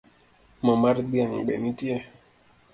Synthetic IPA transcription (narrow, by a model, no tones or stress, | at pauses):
mɔmaɾdiaŋɓɛ̰nitiɛ